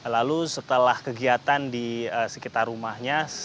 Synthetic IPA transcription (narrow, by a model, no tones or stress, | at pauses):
lalusət̪əlahkəɡiat̪andiəsəkit̪arːumahɲa